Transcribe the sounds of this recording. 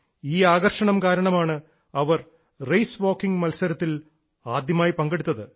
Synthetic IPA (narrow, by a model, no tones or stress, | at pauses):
iːaːɣɐrʂɐɳɐmkaːɾɐɳɐmaːɳɨ | ɐʋɐr | rejsʋo̞ːkːiŋɡmɐlsɐɾɐt̪ːil | aːd̪jɐmaːjipɐŋɡeɽut̪ːɐðɨ